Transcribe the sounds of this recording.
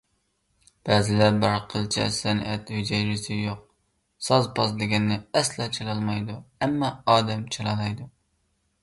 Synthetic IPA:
b̥æːzɪlæɾbɪɾqʰəlˠt͡ʃʰɛ̰sɛnʔæt̪hyd͡ʒɛjɾɪsɪjoq̚ | sɑzpʰɑsd̪ɪɡʲɛnːɪɛslɑt͡ʃʰelˠɑlˠmɑjd̪uæmːɑɑːd̪ɛmt͡ʃʰelɑlˠɑjd̪u

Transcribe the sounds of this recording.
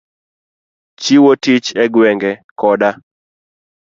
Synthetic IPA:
t͡ʃiwotit͡ʃɛɡwɛŋɡɛkɔda

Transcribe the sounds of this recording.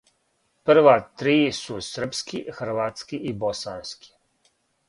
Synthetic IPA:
pr̩ʋat̪ɾiːsusr̩pskixɾ̩ʋat̪skiʔibosanskʰi̥

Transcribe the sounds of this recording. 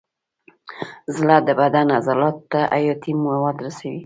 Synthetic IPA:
zlad̪əbad̪anazalɑt̪ːaʔajɑt̪immawɑd̪ɾasawi

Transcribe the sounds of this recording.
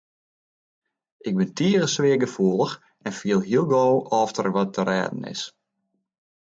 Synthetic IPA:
ʔɪk̚bɪntʰiəɣəsʋɪəɡəfuəlˠəx | ɛnfiəlˠɦiəlˠɡoːʔɔftərʋɔtʰəɾɛ̰ːdən̩ɪ̰s

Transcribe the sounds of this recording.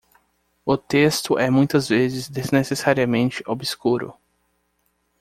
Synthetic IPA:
ʊt̪est̪ʊʔɛmũj̃t̪ɐzvezɪzd̪eznesesaɾiɐmẽnt͡ʃɪʔobiskuɾʊ̰

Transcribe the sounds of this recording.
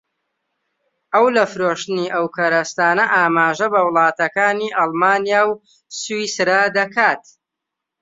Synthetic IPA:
ɐwlɐfɨɾoːʃt̪ɨniːʔɐwkʰɐɾɐst̪aːnɐʔaːmaːʒɐbɐwlˠɑːt̪ɐkaːniːʔɑlˠmaːnijaːw | sisɾad̪ɐkʰaːt̪̚

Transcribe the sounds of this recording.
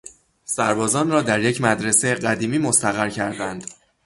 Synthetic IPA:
sæɾbɒːzɒːnrɒːd̪æɾjecʰmæd̪ɾe̞sejeɢæd̪iːmiːmost̪æɣæɾcʰæɾd̪ænd̪̥

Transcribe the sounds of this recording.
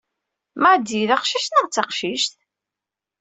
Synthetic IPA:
maʕd̪iðɑqʃiʃt̪nəʁt͡sːɑqʃiʃt̪

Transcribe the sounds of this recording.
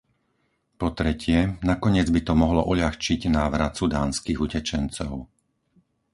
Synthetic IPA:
pɔt̪ɾɛcɪɛnakɔɲɪɛd͡zbit̪ɔmɔɦlɔ̰ʔuʎaxt͡ʃiɟnaːʋɾat̪sud̪aːnskiːɣucɛt͡ʃɛnt͡sɔʊ

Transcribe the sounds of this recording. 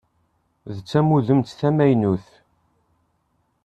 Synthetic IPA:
ðt͡sːæmuðəmt̪θæmæjnuθ

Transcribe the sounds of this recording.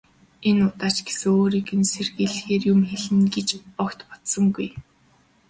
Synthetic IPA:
enʊt̪aːt͡ɕɡe̥sɘ̆ŋoːɾiːkɘ̆nserɣeɮxeːrjʊmxeɮɘ̆nɡet͡ɕɔkt̪pɔ̥t̪sɞ̆ŋɡuj

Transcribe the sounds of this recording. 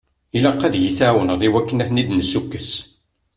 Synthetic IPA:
ilæqːæðjiθæwənðˤiwækːənæθnid̪nsukːəs

